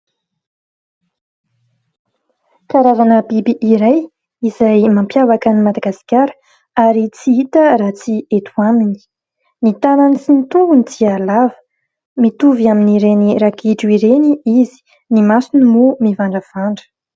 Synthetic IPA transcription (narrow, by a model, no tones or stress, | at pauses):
kaɾavanəbibiʔiɾaj | izajmampjavakənimad̪aɡasi̥kʲaɾə̥ | aɾit͡siit̪əɾat͡siet̪ʰuamini̥ | nit̪ananit͡sinit̪uŋɡunid̪ialavə̥ | mit̪uviaminiɾeniɾakiʈ͡ʂuiɾeniizi̥ | nimasinumumivaɳɖ͡ʐəv̥aɳɖ͡ʐə̥